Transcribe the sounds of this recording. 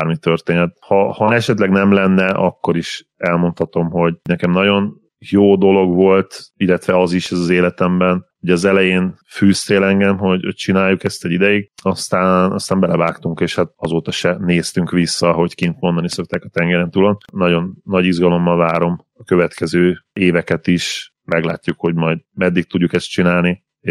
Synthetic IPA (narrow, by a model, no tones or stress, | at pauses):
armit̪ːørt̪eːnɛt̪hɒhɒɛʃɛt̪lɛɡnɛmlɛnːɛʔɒkːo̞ɾiʃ | ɛlmo̞nt̪hɒt̪o̞mɦo̞ɟnɛkɛmnɒɟo̞n | joːd̪o̞lo̞ɡʋo̞lt̪ilːɛt̪ʋɛɒziʃɛzɒzeːlɛt̪ɛmbɛn | oɟɒzɛlɛjeːnfyːst̪eːlɛŋɡɛmɦo̞ɟho̰c̚t͡ʃinaːjːukɛst̪ɛɟid̪ɛjiɡ̚ɒst̪aːnɒ̰st̪aːmbɛlɛvaːkt̪uŋkeːʃhat̪̚ɒzoːt̪ɒʃɛneːst̪yŋkʋisːɒɦo̞ckint̪mo̞nd̪ɒniso̞k̚t̪aːkɒt̪ɛŋɡɛɾɛnt̪ulonnɒɟo̞nːɒɟiʒɡɒlo̞mːɒlvaːɾo̞m | ɒkøvɛt̪kʰɛzøːeːvɛkɛt̪iʃ | mɛɡlaːcːukho̞ɟmɒjd̪mɛd̪ːik̚t̪uɟːukɛst̪t͡ʃinaːlni | e